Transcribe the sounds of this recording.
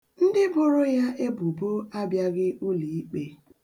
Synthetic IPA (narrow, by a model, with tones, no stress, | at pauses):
n̩˦dɪ˦bʊ˦ɾʊ˦ja˦ʔe˦bu˨bo˦a˦bja˦ɣɪ˦u˦li˨i˦k͡pe˨